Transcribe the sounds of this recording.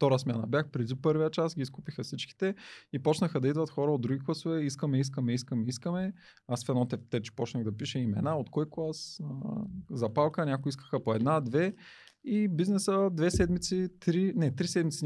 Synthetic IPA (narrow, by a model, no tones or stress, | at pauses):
ft̪ɔɾəsmʲjanɐ̰bjaxpɾɛd̪ipɤɾvɐjət͡ʃasɡʲiskupixəsit͡ʃki̥t̪ɛipɔt͡ʃnəxəd̪ɐid̪vɐt̪xɔɾəod̪ːɾuɡʲiklˠasovɛiskəmɛiskəmɛiskəmɛiskəmɛ | əsfɛnɔt̪ɛft̪ɛt͡ʃɛ̥pɔt͡ʃnɐɣd̪ɐpiʃɛimɛ̰naot̪kɔjklˠasəzɐpalˠkənʲakoiskə̥xəpoɛd̪nad̪vɛ | ibiznɛsəd̪vɛsɛd̪mit̪sit̪ɾinɛt̪ɾisɛd̪mit̪si